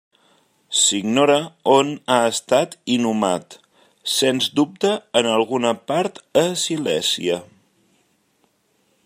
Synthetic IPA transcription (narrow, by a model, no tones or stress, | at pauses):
siɡnoɾəonaəst̪at̪inumat̪ | senzd̪up̚t̪əːnəlˠɣunəpaɾt̪əsilɛsḭə